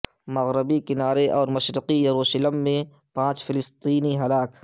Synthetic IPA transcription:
mɐɣɾɪbikɪnaːɾeʔɔːɾmɐʃɾɪqijaɾoːʃələmːẽpãːt͡ʃfʰɪlɪst̪iːniɦɐlaːk

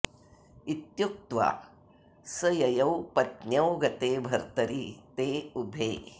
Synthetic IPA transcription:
it̪juk̚t̪ʋa̰ː | sɐjɐjɐwpɐt̪njɐwɡɐt̪eːbʱɐɾt̪ɐɾit̪eːubʱeː

